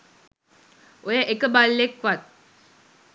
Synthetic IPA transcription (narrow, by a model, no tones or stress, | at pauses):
ojəʔekəbalːekʋat̪̚